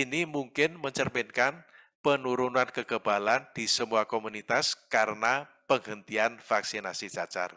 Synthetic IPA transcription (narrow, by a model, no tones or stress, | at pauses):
inimuŋkɪnməɲt͡ʃərmɪnkan | pənuɾunankəɡ̥əb̥aland̪̥i̤səmuakomunit̪askaɾənapəŋɦənt̪ianfaksinasit͡ʃat͡ʃa̰r